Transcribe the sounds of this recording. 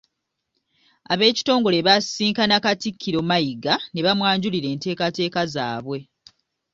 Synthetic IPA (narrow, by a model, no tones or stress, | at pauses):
aβe̞ːci̥to̞ːŋɡo̞le̞βasiːŋkanakatikʰːiɾo̞majiɡane̞βamwaːɲɟuliɾe̞ːnte̞ːkate̞ːkazaːβwe̞